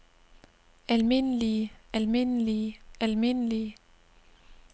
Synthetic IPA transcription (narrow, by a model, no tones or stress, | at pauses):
ælme̝n̰əliəʔælme̝n̰əliəælme̝n̰əli